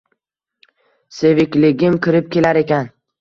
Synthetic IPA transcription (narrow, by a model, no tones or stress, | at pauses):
sevɪkʲlɪɡʲɪmkʲʰɪɾɪp̚kʲe̞laɾe̞kʲan